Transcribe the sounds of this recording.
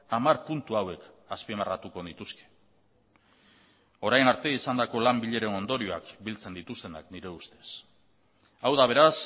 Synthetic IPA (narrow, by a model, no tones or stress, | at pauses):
amaɾpunt̪uawe̞k | aspimarat̪uko̞ðit̪uske̥ | o̞ɾajnaɾt̪e̞isand̪ako̞lambiʎe̞ɾe̞no̞nd̪o̞ɾio̞a̰kbilt͡se̞nd̪it̪ust̪e̞na̰kniɾe̞ust̪e̞s | awðaβ̞e̞ɾas